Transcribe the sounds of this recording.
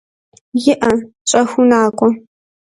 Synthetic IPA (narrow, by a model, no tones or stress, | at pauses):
jɪʔɐ | t͡ʃʼɐxʷʊnaːkʷʼɔ